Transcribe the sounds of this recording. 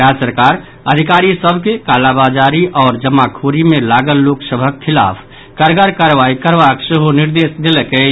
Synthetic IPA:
ɾasəɾkaɾ | əd̪ʱikaɾisəbʱkekalabad͡ʒaɾiʔɔːɾd͡ʒəmːakʰoɾimelaɡəlːoksəbʱəkʰːila̰pʰ | kəɾɡəɾkaɾʋaikəɾʋakseɦoniɾd̪esd̪elke

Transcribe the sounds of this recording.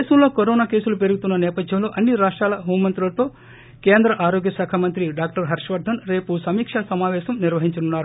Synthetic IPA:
eːsɐmloːkoɾoːnaːke̞ːsulupeɾuɡut̪unːɐneːpɐd̪ʱjɐmlo̞ːʔɐnːiɾaːʂʈɾaːlɐɦoːmːɐnt̪ɾulɐt̪o̞ː | keːnd̪ɾɐʔaːɾoːɡjɐsaːkʰamɐnt̪ɾiɖaːk̚ʈɐɾɦɐɾʂʋɐɾd̪ʱɐnɾe̞ːpusɐmiːkʂɐsɐmaːʋɛːʃɐmniɾʋɐɦiɲt͡ʃɐnunːaːɾu

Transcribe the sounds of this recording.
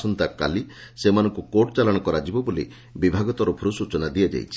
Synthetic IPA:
sɔnt̪aka̰lisemanɔŋkukoʈɔt͡ʃalɔɽ̃ɔkɔɾad͡ʒibɔbolḭ | bibʱaɡɔt̪ɔɾɔpʰuɾusut͡ʃɔnad̪iɔd͡ʒa̰jt͡ʃʰi̥

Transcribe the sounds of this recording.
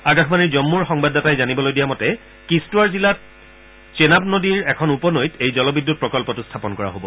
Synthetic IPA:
aɡaxʰmaniɹzɔmːuɹxɔŋbadatajzanibɔlojdijamɔtɛ | kistuwaɹzilat̚ | senapnodiɹɛkʰɔnupɔnojtejzɔlɔbidːut̚pɹɔkɔlpɔtustʰapɔnkɔɹa̰ɦobɔ

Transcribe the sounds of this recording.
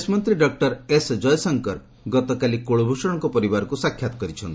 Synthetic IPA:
esmɔnt̪ɾiɖɔk̚ʈɔɾesd͡ʒɔjɔsɔŋkɔɾ | ɡɔt̪ɔkalikoɭubʱusɔɽ̃ɔŋkɔpɔɾibaɾɔkusakʰːjat̪ɔ̥kɔɾit͡ʃʰɔnii

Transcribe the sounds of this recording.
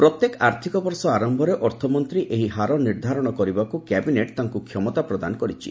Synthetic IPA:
pɾɔt̪jekaɾt̪ʰikɔbɔɾsɔaɾɔmbʱɔɾeʔɔɾt̪ʰɔmɔnt̪ɾiʔeɦiɦaɾɔniɾd̪ʱaɾɔɽ̃ɔkɔɾibakukɛbineʈt̪aŋkukʰjɔmɔt̪apɾɔd̪a̰nɔkɔɾit͡ʃʰḭ

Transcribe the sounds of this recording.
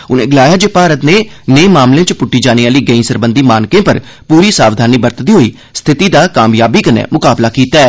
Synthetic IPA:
ʊnḛ̃ːɡɪlaːjaːd͡ʒeːpaːɾət̪neːneːmaːmlẽːt͡ʃpʊʈːiːd͡ʒaːniːaːliːɡəĩːsəɾbənd̪iːmaːnkẽːpəɾ | puːɾiːsaːʋd̪ʱaːniːbəɾt̪d̪iːɦoːiː | st̪ʰɪt̪iːd̪aːkaːmjaːbiːkənḛːmʊkaːblaːkiːt̪aːɛː

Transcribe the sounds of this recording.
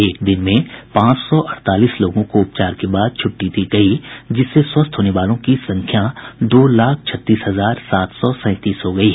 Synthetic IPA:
eːk̚d̪ɪnmẽpãːt͡ʃsɔʔɐɽt̪aːliːsloːɡõkoʊpt͡ʃaːɾkebaːd̪̚t͡ʃʰʊʈːit̪iɡɐid͡ʒɪsːeswɐst̪ʰɦoːneʋaːlõkisɐ̃ŋkʰjad̪oːlaːk̚ʰt͡ʃʰɐt̪ːiːsɦɐzaːɾsaːt̪ʰsɔsɛ̃ːt̪iːsɦoɡɐiɦɛ

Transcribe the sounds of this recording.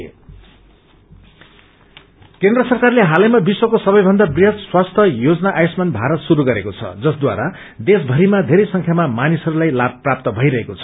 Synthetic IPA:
kẽnd̪rʌsʌrkarleɦalʌjmabiswokosʌbʌjbʱʌnd̪abriɦʌd̪swast̪ʰʌjod͡zʌnaʔajsmanbʱaɾʌt̪suɾuɡʌɾekot͡sʰʌ̰d͡zʌsd̪wa̰ɾa | d̪esbʱʌɾimad̪ʱeɾʌjsʌŋkʰjamamanisʌɾulajlab̚ʱprap̚t̪ʌbʱʌjɾʌɦekot͡sʰʌ̥

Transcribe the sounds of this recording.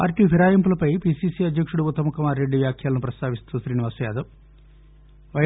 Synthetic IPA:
pa̰ːɾʈiːpiɾaːjɐmpulɐpɐjpiːsiːsiːɐd̪jɐkʂuɽuut̪ːɐmɐkumaːɾːe̞ɖːiʋjaːkʰjaːlɐnupɾɐst̪aːʋist̪uːʃɾiːniʋaːsjaːd̪ɐm | ʋɐ

